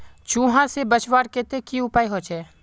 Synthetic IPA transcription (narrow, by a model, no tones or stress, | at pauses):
t͡ʃũːɦãsebət͡ʃʋaːɽket̪ekiʊpaːiɦot͡ʃʰɛː